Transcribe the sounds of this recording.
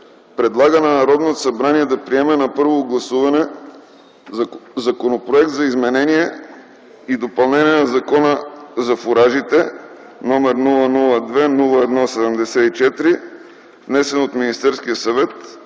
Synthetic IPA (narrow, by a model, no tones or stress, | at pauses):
pɾɛd̪lˠaɡənɐnɐɾɔd̪not̪osɐbɾaniɛd̪ɐpɾiɛmɛnɐpɤɾvoɡlˠɐsuvɐnɛ | zɐkonopɾoɛk̚t̪zɐizmɛnɛniɛ | id̪opɐlˠnɛniɛnɐzɐkɔnəzɐfoɾaʒit̪ɛ | nɔmɛɾnulˠənulˠəd̪vɛnulˠəɛd̪nɔsɛd̪ɛmd̪ɛsɛit͡ʃɛt̪ɾi | vnɛsɛnot̪minist̪ɛɾskijəsɐvɛt̪